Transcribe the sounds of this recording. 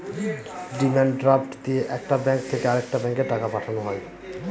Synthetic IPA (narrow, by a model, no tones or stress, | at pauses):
ɖimaɳɖɖɾapʈd̪ieʔɛkʈabɛŋk̚t̪ʰekeaɾek̚ʈabɛŋkeʈakapaʈʰanoɦɔe